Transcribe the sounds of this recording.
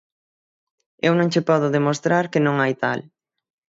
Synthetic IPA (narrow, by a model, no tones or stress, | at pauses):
ewnõŋt͡ʃɪpɔðʊðemost̪ɾaɾkɪnõŋajt̪a̰l